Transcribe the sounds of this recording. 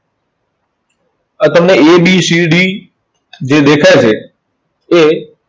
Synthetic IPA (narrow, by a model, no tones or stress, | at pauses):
ə̃t̪əmnẽeːɓiːsiːɖiː | d͡ʑeːd̪eːkʰaːeseː | eː